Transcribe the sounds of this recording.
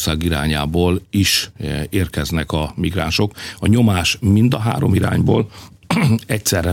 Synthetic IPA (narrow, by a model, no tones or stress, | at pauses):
saːɡiɾa̰ːɲaːboːliʃeːrkɛznɛkɒmiɡra̰ːnʃo̞kɒɲo̞maːʃmind̪ɒɦa̰ːɾo̰miɾa̰ːɲbo̰ːl | ɛcsɛrɛ